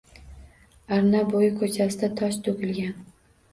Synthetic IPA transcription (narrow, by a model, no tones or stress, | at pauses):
aɾnabojɪkʰɵt͡ʃʰasɪd̪at̪ʰɒʃt̪ʰɵkʲɪlɡʲan